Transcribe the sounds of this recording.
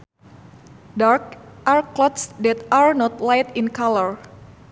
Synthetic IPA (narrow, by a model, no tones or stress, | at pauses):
darkʔarkːlɔt̪sdɛt̪arnɔt̪lajt̪inkaləɹ